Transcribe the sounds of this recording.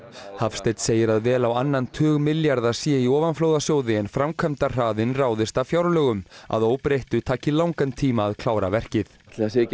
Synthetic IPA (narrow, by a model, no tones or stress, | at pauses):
hafst̪ejt̪seːjɪɾaðvɛːlawanːant̪ʰœːɣmɪljaɾðasjɛiɔːvanfloːwðasjoːwðɪɛnfɾamkʰœmt̪ar̥aːðɪnraːwðɪst̪avfjawɾlœːɣʏma̰ðoːwpɾejht̪ʏt̪ʰaːcɪlawŋkant̪ʰiːmaːðkʰlaːwɾavɛr̥cɪθt̪lase